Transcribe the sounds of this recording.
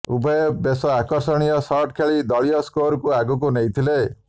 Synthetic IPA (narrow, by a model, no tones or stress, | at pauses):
ubʱɔebesɔakɔɾsɔɽ̃ijɔsɔɾʈkʰeɭid̪ɔɭijɔskoɾkuaɡuk̬unejt̪ʰile